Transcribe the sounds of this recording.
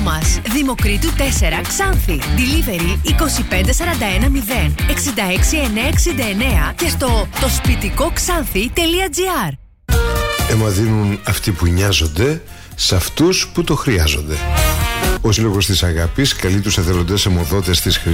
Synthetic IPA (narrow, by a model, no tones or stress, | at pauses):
mɐsðimo̞kɾit̪ut̪e̞se̞ɾɐksɐnθid̪ilive̞ɾiːko̞sipe̞nd̪e̞sɐɾɐnd̪ɐe̞nɐmiðe̞ne̞ksind̪ɐe̞ksie̞neɐeksind̪ɐe̞ne̞ɐcest̪o̞t̪o̞spit̪iko̞ksɐnθit̪e̞liɐd͡ziɐɾ | e̞mɐðinunɐft̪ipuɲɐzo̞nd̪e̞ | sɐft̪usput̪o̞xɾiɐzo̞̰nd̪e̞ | o̞silo̞ɣo̞st̪isɐɣɐpiskɐlit̪useθelo̞nd̪ɐsemo̞ðo̞t̪est̪isxɾi